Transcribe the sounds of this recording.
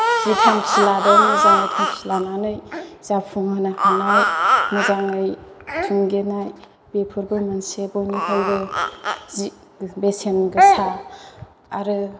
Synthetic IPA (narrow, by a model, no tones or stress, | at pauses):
zitʰamsiladanazaŋəjtʰamsilananɯjz̥apʰuŋanahanajmɯzaŋɯjsʰuŋɡenaj | b̥epʰuɾbɯmansebonihʰalbɯ | zi | besenɡɯsaː | ɾɯ